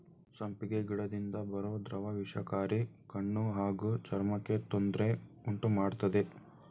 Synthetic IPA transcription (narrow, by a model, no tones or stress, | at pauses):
sɐmpiɡeɡiɽɐd̪ind̪ɐbɐɾoːd̪ɾɐʋɐʋiʂɐkaːɾikɐɳːuɦaːɡut͡ʃɐɾmɐkːe̞t̪ond̪ɾe̞uɳʈumaːɖt̪ɐd̪e̞